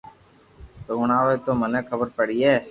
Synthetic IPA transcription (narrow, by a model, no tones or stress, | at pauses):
t̪oːɳaːʋeːt̪oːmənẽːkʰəbəɾpəɽiɛː